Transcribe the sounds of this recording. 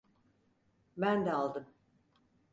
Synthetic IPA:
bænd̪ɛalˠd̪ɯm

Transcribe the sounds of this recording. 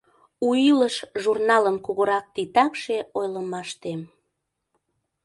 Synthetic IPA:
uiləʃʒurnɑləmkuɣoɾɑk̚t̪it̪ɑkʃeojləmɑʃt̪em

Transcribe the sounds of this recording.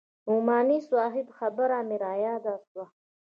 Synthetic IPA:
umaːniswaːɦibxabəɾaːmiɾaːjaːd̪aːswa

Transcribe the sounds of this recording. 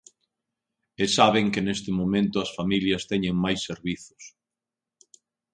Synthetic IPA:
ɪsaβeŋkɪnest̪ɪmomẽnt̪ʊɐsfamiljɐst̪ɛɲeŋmajsːeɾβiθʊ̥s

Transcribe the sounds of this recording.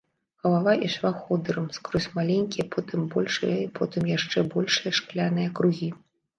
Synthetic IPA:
xɐlˠavaʔiʂvaxɔd̪ɨɾɨmskɾɔsʲmalʲenʲkʲipʰɔt̪ɨmbɔlʲʂɨjɐipʰɔt̪ɨmjaʂt͡ʂɛbɔlʲʂɨjɐʂklʲanɨjɐkɾuɣʲi

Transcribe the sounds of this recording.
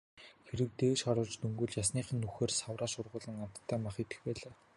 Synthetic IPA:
xeɾɘ̆k̚t̪eːʃχaɾʊːɮt͡ɕt̪ɵŋɡɵ̆ɮjasniːχə̆nːuxeːrsawraːʃʊrʁʊːɮə̆ŋam̥t̪ʰːæːmaχet̪ɘ̥̆xpæːɮaː

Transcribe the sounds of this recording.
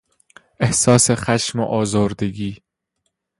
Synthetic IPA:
ʔehsɒːsexæʃmoʔɒːzɒːɾd̪eɡiː

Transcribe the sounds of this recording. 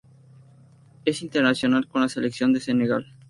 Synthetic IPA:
e̞sint̪eɾnasjo̞nalko̞nlaseleksjo̞nd̪e̞seneɣa̰l

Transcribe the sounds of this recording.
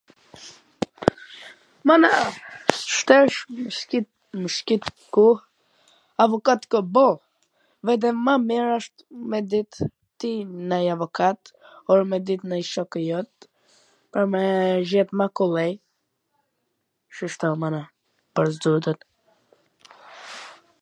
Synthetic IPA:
mana | ʃt̪ɛʃmʃkit̪ | məʃkit̪ | ku | avɔkat̪kɔbɔ | vɛd̪ɛmamiɾaʃt̪mɛd̪it̪ː | inajavɔkat̪ɔɾmɛd̪it̪najʃɔkəjɔt̪̚ | pəɾmɛʒɛt̪makulˠɛj | ʃəʃt̪ɔmana | pəɾzd̪ud̪ət̪

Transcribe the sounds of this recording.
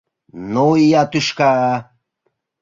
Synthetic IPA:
noijat̪uʃka

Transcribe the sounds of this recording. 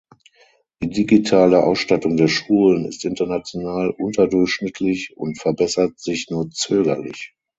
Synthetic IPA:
d̥iːdiɡitʰaːləʔa̰ʊsʃtatʊŋdeːɐʃuːlənɪ̰stʔɪntɐnat͡sjonaːlʔʊntɐdʊɐçʃnɪtʰlɪçʊ̰ntfɛɐbɛsɐtz̥ɪçnuːɐt͡søːɡɐlɪ̰ç

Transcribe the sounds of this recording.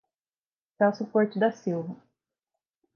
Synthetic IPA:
t̪asʊpoɾt͡ʃɪd̪ɐsiwvɐ

